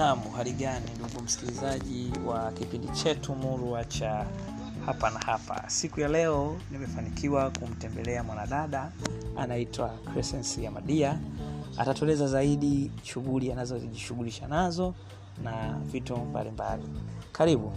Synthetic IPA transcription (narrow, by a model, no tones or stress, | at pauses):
namuɦaɾiɠaninduɡum̩si̥kilizaʄiwakipindit͡ʃɛtumuɾuat͡ʃa | hapanahapa̰sikujalɛɔnimɛfanikʰiwakum̩tɛmbɛlɛamwanaɗaɗaa̰naitʰwakɾɛsɛnsijamaɗiaa̰tatɔlɛzazaiɗiʃuɣulianazɔziʄiʃuɣuliʃanazɔ | navitɔmba̰limba̰lḭkʰaɾiɓu